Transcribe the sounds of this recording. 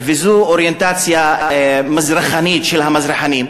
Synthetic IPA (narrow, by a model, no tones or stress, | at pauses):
vezuoɾjent̪at͡sjamazɾaχanitʃelhamazɾaħanim